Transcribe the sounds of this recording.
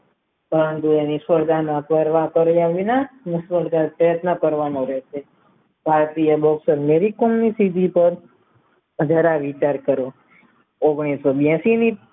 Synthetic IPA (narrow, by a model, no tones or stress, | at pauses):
pəɾənt̪uenisəɾd̪ʱanapəɾʋakəɾjaʋinanisʋəɾd̪apɾəjət̪nəkəɾʋanõɾɛʃe | bʱaɾt̪ijəbɔksəɾmeɾikɔmnisid̪ʱipəɾ | əd͡ʒʱaɾaʋit͡ʃaɾkəɾo | oɡɽ̃isobãsini